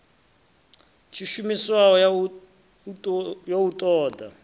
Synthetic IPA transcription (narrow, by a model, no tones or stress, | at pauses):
t͡ʃʰiʃumiswaɔ | joutʼɔːda